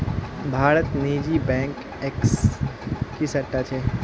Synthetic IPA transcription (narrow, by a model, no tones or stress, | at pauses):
bʱaːɾət̪niːd͡ʒibɛ̃ːŋk | eks | kisɐʈːat͡ʃʰeː